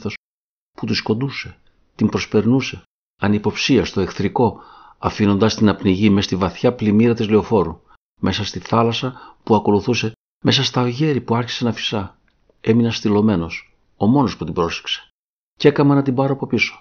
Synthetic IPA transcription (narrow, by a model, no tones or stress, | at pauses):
θo̞s | put̪usko̞nd̪use̞ | t̪imbɾo̞spe̞ɾnuse̞ | ɐnipo̞psiɐst̪o̞e̞kθɾiko̞ | ɐfino̞nd̪ɐst̪inɐpniʝime̞st̪ivɐθçɐplimiɾɐt̪izliofo̞ɾu | mʔe̞sɐst̪iθɐlɐsɐpuɐko̞luθuse̞ | me̞sɐst̪ɐoʝe̞ɾipuɐɾçi̥se̞nɐfi̥sɐ | e̞minɐst̪ilo̞me̞no̞s | o̞mo̞no̞sput̪ibɾo̞se̥kse̥ | ce̞kɐmɐnɐt̪ibɐɾoɐpo̞piso̥